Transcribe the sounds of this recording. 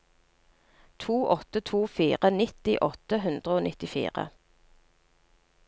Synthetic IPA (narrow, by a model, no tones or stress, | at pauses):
t̪ʰuːʔɔt̪ət̪ʰuːfiːʁənɪt̪ɪʔɔt̪əɦʉnd̪ʁəoːnʔɪt̪ɪfḭːʁə̰